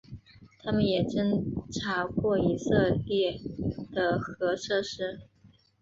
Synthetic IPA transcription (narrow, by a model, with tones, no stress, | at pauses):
t̪ʰa˥mə˨njɛ˨˩ʈ͡ʂə˥ŋʈ͡ʂʰa˧˥kwɔ˥˩i˧˥sɤ˥˧ljɛ˥˩d̪̥ə˩xɤ˧˥ʂɤ˥˧ʂɻ̩˥